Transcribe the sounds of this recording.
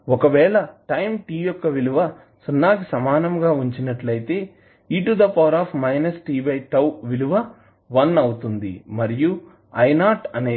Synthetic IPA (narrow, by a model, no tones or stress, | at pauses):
ɔkɐʋɛːɭɐʈɐjmʈiːjɔkːɐʋiluʋɐ | sunːaːkisɐmaːnɐmɡaːuɲt͡ʃinɐʈlɐjit̪e̞ː | iːʈud̪ɐpɐːɾaːpʰmɐjnɐsʈiːbɐjʈɐwʋiluʋɐ | ʋɐnɐwut̪und̪ḭmɐɾiju | ɐjnaːʈɐneː